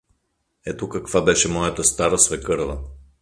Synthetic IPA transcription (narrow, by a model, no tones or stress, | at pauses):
ɛt̪okɐkvabɛʃɛmɔjət̪əst̪aɾəsvɛkɤɾvə